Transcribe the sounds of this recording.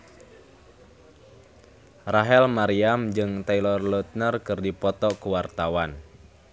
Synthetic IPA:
raɦɛlmaɾiamd͡ʒɨŋt̪ailɔrlɔt̪̚nərkɨrdipɔt̪ɔkuwart̪awan

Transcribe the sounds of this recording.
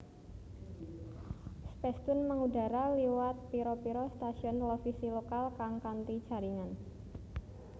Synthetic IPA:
spɛst̪ʊnməŋuda̤ɾaliwat̪̚piɾopiɾost̪asiɔnlofisilokalkaŋkant̪id͡ʒ̥a̤ɾiŋan

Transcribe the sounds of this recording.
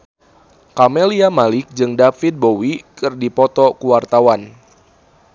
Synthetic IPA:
kameliamalɪk̚d͡ʒɨŋdafit̪̚bowikɨrdipɔt̪ɔkuwart̪awan

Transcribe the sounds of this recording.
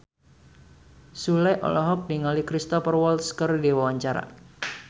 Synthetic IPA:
sulɛʔɔ̰lɔɦɔk̚niŋalikɾist̪ɔfərwɔlskərdiwawaɲt͡ʃaɾa̰

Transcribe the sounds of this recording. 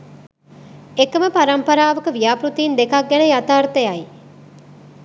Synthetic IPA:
ekəməpaɾɐmpɐɾaːʋəkəʋijaːpɾut̪iːnd̪ekɐk̚ɡɛnəjat̪aːɾt̪əjai

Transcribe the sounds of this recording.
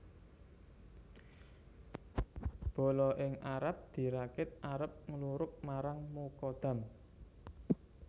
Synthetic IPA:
b̥o̤lɔʔɪŋaɾap̚d̪̥i̤ɾakɪt̪̚aɾəp̚ŋəluɾʊk̚maɾaŋmokɔd̪̥ä̤m

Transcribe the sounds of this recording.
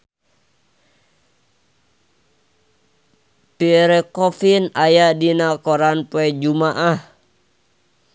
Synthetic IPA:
piɾɛkɔfinajadinakɔɾanpuɛd͡ʒumaʔah

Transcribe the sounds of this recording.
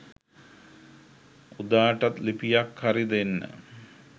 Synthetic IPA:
ud̪aːʈɐt̪lipijakharid̪enːə̰

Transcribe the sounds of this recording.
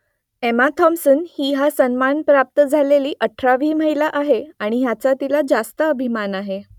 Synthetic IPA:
emat̪ʰɔmsənhiːɦasənmanpɾap̚t̪əd͡zʱaleliːʔəʈʰɾaʋiːməɦilaʔaɦeaɽ̃iɦjat͡sat̪ilad͡zast̪əəbʱimanaɦe

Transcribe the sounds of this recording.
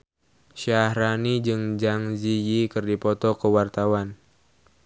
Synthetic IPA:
ʃahɾanid͡ʒɨŋd͡ʒaŋzijikɨrdipɔt̪ɔkəwart̪awan

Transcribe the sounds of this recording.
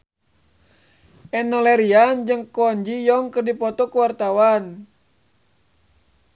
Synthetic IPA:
ʔɛnːɔlɛɾiand͡ʒɨŋkɔɲd͡ʒijɔŋkɨrdipɔt̪ɔkuwart̪awan

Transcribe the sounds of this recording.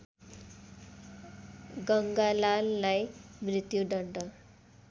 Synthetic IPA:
ɡʌŋɡalalːajmrit̪juɖʌɳʈʌ

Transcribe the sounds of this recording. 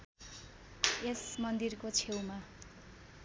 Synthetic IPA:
esmʌnd̪irkot͡sʰewma

